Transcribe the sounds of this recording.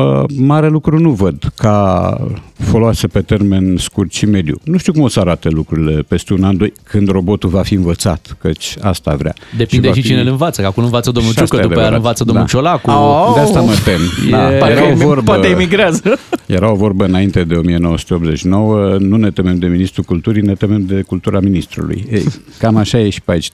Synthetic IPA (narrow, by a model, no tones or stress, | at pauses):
ə̰maɾe̞lukɾunuvəd̪ka | foloasepe̞t̪e̞rme̞nskurt̪ʃime̞d̪jṵnuʃt̪iukumo̞səaɾat̪əlukɾuɾile̞pe̞st̪eunand̪ojkʰɨnd̪ro̞bo̞t̪uvafiɨnvət̪sat̪kət͡ʃʲa̰st̪avɾea̰d̪epʃiid̪eʃit͡ʃinelɨnvat̪səakumlɨnvat̪səd̪omnulustkəajaduad̪aɾaɨnvat̪səd̪od̪a̰ʃolakud̪east̪aməp̪emaeɾaovorbpat̪eimiɡɾeazəjeɾao̞vo̞rbəɨnaint̪e̞d̪e̞o̞mijeno̞wəsu̥t̪eo̞pbzet͡ʃno̞wənune̞t̪eme̞md̪e̞minist̪ɾukult̪uɾine̞t̪ememd̪e̞kult̪uɾaminist̪ɾṵlṵjḛjkamaʃajeʃi̥pait͡ʃ